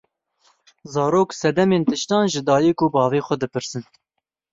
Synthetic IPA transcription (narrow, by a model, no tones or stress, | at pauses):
zɑːɾoːksɛd̪ɛmeːnt̪ɨʃt̪ɑːnʒɨd̪ɑːjikubɑːveːxʷɛd̪ɨpɨɾsɨn